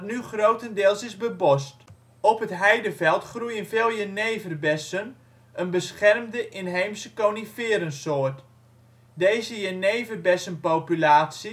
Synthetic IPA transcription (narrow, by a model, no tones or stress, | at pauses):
tnyχrowtəndɪːlˠsɪzbəbɔst | ɔpətɦɛjdəvɛlˠtχrujənfeːlˠjəneːvərbɛsən | ənbəsχɛrmdəʔɪnɦejmsəkoːnifɪːɾənsoːət | deːzəjəneːvərbɛsənpowpylaːsi